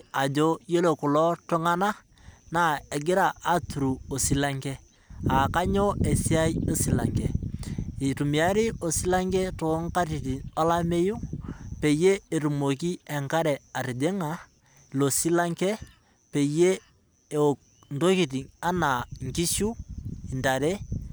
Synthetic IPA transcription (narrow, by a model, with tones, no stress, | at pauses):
a˨d͡ʒo˦je˦lo˨kʊ˨lɔ˦to˦ŋa˦na˦ | na˦˨e˨ɡɪ˦ɾa˨ʔa˦tu˨ɾu˨o˨si˦la˦ŋkɛ˦ | a˨ka˦ɲo˦e˨si˦a˦jo˦si˨la̰˨ŋkɛ˨i˨tu˨mi˨a˦ɾi˦o˨si˦la˦ŋkɛ˦to˨˦ŋka˦ɾi˨ti˨ŋo˦la˦me˦ju˦pe˨je˦e˨ɾu˨mo˨ki˦ɛ˨ŋka˦ɾɛ˨a˨ɾi˨de˦ŋa˨ | lo˨si˦la˦ŋkɛ˦ | pe˨je˦˨ | n˨to˦ki˨ti˨ŋa˦na˨ŋki˦ʃu˦i˨nda˨ɾe˦